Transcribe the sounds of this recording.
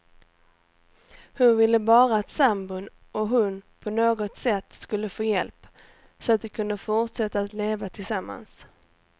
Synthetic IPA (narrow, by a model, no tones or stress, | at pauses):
hɵɾvɪlːəbɑːɾaːt̪sambɵn | ɔɦɵnpʰɔnoːɡɔt̪sɛt̪ːskɵlːəfoːjɛlp | sɔat̪̚d̪ɛkʰɵnd̪əfʊʈʂɛt̪ːaːt̪leːvat̪ʰɪlsamːa̰ns